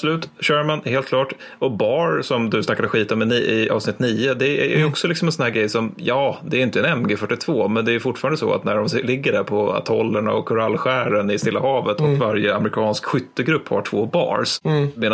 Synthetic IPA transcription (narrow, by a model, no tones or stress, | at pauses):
sɔlʉ̟ːt̪ɕœːɾmanheːlt̪klɑːʈ | ɔbɑːɾsɔmd̪ɵsnakːad̪əɧiːt̪ɔmɪniʔɪɑ̰ːvsnɪt̪ːniːʊd̪ɛæ̰æ̰ɾjɔksɔlɪksɔmɛnsɔnhæːɾɡɾɛjsɔmjɑːd̪ɛæɾjʏnt̪əɛnɛmɡəfœʈːɪt̪ʰvoːmɛnd̪ɛæɾjʏfʊʈːfɑːɾand̪əsɔ̰a̰t̪næɖɔmlɪɡːəɖæɾpʰɔa̰t̪ʰɔlːəɳaɔkʰːʊɾalːɧæːɾənɪst̪ɪlːahɑːvət̪ɔkvaɾjəamɾɪkʰɑːnskɧʏt̪ːəɡɾɵpːha̰ʈʰvoːbɑ̰ːɾsmeːn